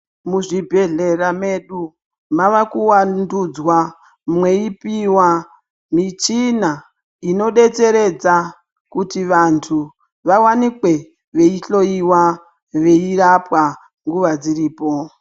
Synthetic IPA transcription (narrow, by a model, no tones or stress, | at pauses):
muʐibʱe̞ɮe̞rame̞ɗu | maʋakuwandud͡zwa | mwe̞ipiwa | mit͡ʃina | ino̞ɗe̞t͡se̞ɾe̞d͡za | kutiʋantʰu | ʋawanikwe̞ | ʋe̞iɬo̞iwa | ʋe̞irapwa | ŋɡuʋad͡ziriːpo̞